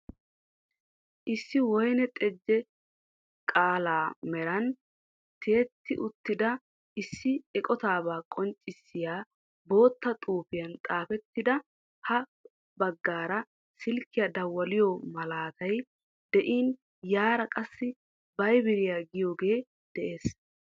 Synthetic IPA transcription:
ʔɪsːɪwɔjnɛt̪ʼɛd͡ʒːɛ | kʼaːlaːmɛɾɐn | t̪ʰe̞ːt̪ːɪʔʊt̪ːɪd̪ɐ | ɪsːɪɛkʼɔt̪aːβaːkʼɔnt͡ʃʼːɪsːɪjaː | bo̞ːt̪ːɐt̪ʼuːpɪjɐnt̪ʼaːfɛt̪ːɪd̪ɐ | hɐ | bɐɡːaːɾɐ | sɪlkːɪjad̪ɐwːɐlɪjɔmɐlaːt̪ɐj | d̪̥ɛʔiːn | jaːɾɐkʼɐsːɪ | bɐjbɪɾɪjaːɡɪjoːɡe̞ː | d̪̥ɛʔe̞ːs

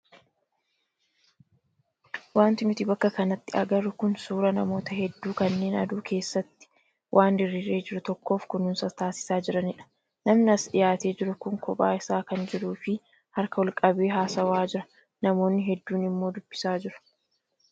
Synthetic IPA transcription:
waːnt̪ɪnʊt̪ɪbɐkːɐkɐnɐt̪ːɪɐ̰ɡɐɾʊkʊnsuːɾɐnɐmo̞ːt̪ɐɦɛd̪ːuːkɐnːe̞ːnɐ̰d̪uːkʰe̞ːsːɐt̪ːɪ̥ | wʔaːnd̪ɪɾːiɾe̞ːd͡ʒɪɾʊt̪ɔkːo̞ːfkʊnʊnsɐt̪aːsɪ̥saːd͡ʒɪɾɐnɪᶑɐ̥ | nɐmnɪɐsᶑɪjaːt̪e̞ːd͡ʒɪɾʊkʊŋkɔpʼaːɪsaːkɐnd͡ʒɪɾuːfɪ | hɐɾkɐwɔlkʼɐbe̞ːɦaːsɐwaːd͡ʒɪɾɐ | nɐmo̞ːnːɪɦɛd̪ːuːnɪmːo̞ːd̪ʊb̥ːɪ̥saːd͡ʒɪɾɐ̥

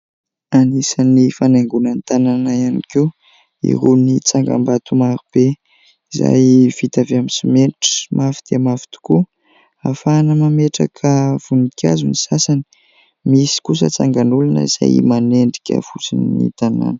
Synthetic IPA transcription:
anisanifanaŋɡunant̪ananaianike | ḭɾunit͡saŋɡa̰mbat̪umaɾub̥e | iza̰jv̥it̪aveamisimeɳʈ͡ʂə̥mʔafi̥d̪̥emafi̥t̪u̥ku | afanəmameʈ͡ʂakʰəv̥unikʲʰa̰zunisasani̥ | misi̥kusə̰t͡saŋɡanulunə̰iz̥a̰jmaneɳɖ͡ʐi̥kʲə̰fut͡sininḭt̪ana̰nə̥

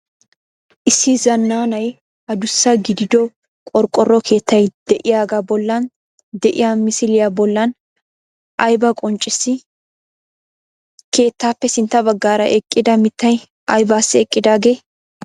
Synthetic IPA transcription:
ʔɪsːɪzɐnːaːnɐj | ɐd̪ʊsːɐɡɪd̪ɪd̪ɔ | kʼɔɾkʼːɔrːɔkʰe̞ːt̪ːɐjd̪̥ɛʔɪjaːɡabɔlːɐn | d̪ɛʔɪjaːmɪsɪlɪjabɔlːɐn | ʔɐjbɐkʼɔnt͡ʃʼːɪsːɪ | ke̞ːt̪ːaːpːɛsɪnt̪ːɐbɐɡːaːɾɐʔɛkʼːɪd̪ɐmɪt̪ːɐj | ʔɐjbaːsːɪɛkʼːɪd̪aːɡe̞ː

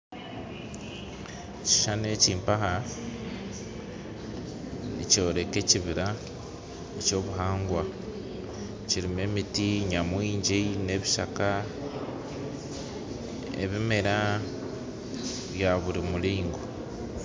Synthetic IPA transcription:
ci̥ʃaneciːmpaha | nico̞ːɾe̞ke̞ciβiɾa | eco̞ːβuɦaːŋɡwa | ciɾime̞mitiɲamwiːɲɟene̞βiʃaka | ḛβimeɾa | βjaβuɾimuliːŋɡo

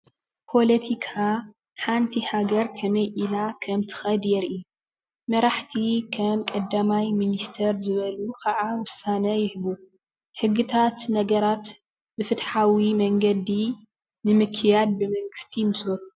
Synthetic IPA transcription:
pʰo̞lɐt̪ʰikʰa | ħant̪ʰihaɡɐɾkʰɐmɐjʔilakʰɐmt̪ʰɨ̥xɐd̪jɛɾʔi | mɐɾaħt̪ʰikʰɐmkʼɐd̪ːamajminist̪ʰɐɾzɨβɐlukʰɐʕawʊsːanɐjɪhβu | hɨɡːɨt̪ʰat̪nɐɡɐɾat̪ | bɨfɨt̪ħawimɐŋɡɐd̪i | nɨmɨkʰːɨjad̪̚bɨmɐŋɡɨst̪ʰimɨslot̪u̥

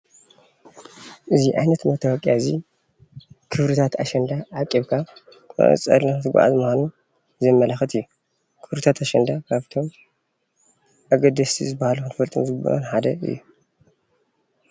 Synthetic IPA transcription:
ʔɨziʔajnɐt̪mɐt̪ʰɐwɔkʼjazi | kʰɨβɾɨt̪ʰat̪a̰ʃɐnd̪aʕakʼːiβkʰa | kɐ̰n̰t͡sʼɐ̰lant̪ɨɡʷa̰ʕa̰zɨmɐxanu | zɐmːɐlaxɐt̪ɨjːu | kʰɨβɾɨt̪ʰat̪aʃɐnd̪akʰaβt̪ʰo̞m | ʔaɡɐd̪ɐsʰḭzɨbahaluxɨnɨfɐlt̪ʼɨ̰nzɨɡɨbɐ̰ɾɐ̰nħad̪ɐɨ̰jːu

